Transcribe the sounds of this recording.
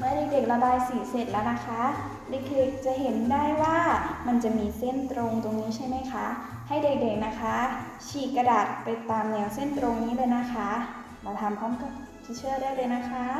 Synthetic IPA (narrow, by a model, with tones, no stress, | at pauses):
mɯ˧˥˩ɐde˨˩k̚de˨˩k̚la˧baː˧jsi˨˩˦se˨˩t̪̚lɛː˦˥˩wna˦˥xʰa˦˥ | le˧˩˦k̚de˨˩k̚t͡ɕa˨˩ɦe˨˦ndaː˥˩jwaː˥˩ma˧nt͡ɕa˨˩miː˧se˥˩nt̪ɾoː˧ŋt̪o˧ŋniː˦˥t͡ɕʰa˥˩jma˦˥jkʰa˦˥ha˥˩jde˨˩k̚de˨˩k̚na˦˥kʰa˦˥ | t͡ɕʰiː˨˩kkːa˧daː˨˩t̪̚pa˧jt̪aː˧mnɛ˧˩˦wse˥˩nt̪ɾo˧ŋniː˦˥lɤː˧jna˦˥kʰa˦˥ | laː˧˩t̪ʰa˧mkʰɔː˧˥mka˧˩ | t͡ɕʰi˧˥t͡ɕʰɯ˥˩ɐdaː˥˩jlɤː˧jna˦˥xʰa˦˥